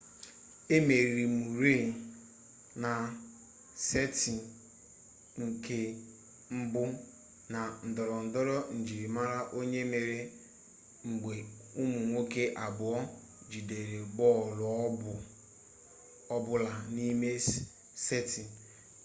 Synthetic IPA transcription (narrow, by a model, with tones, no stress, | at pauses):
e˦me˨ɾi˨mu˨ɾe˦˨ | na˨ | se˦ti˨ | ŋ̩˨kʰe˦ | m̩˦bʊ˦ | na˨n̩˨dɔ˨ɾɔ˨n̩˨dɔ˦ɾɔ˦n̩˨d͡ʒi˨ɾi˨ma˦ɾa˦ʔo˦ɲe˦me˨ɾe˦ | ŋ͡m̩˨ɡ͡be˨ | u˦mu˨ŋʷo˦ke˦ʔa˨bʊ˨ɔ˦ | d͡ʒi˨de˨ɾe˨ɡ͡bɔ˦˨lʊ˨ɔ˦ | ɔ˦bʊ˦la˨ni˦me˦ | se˦ti˨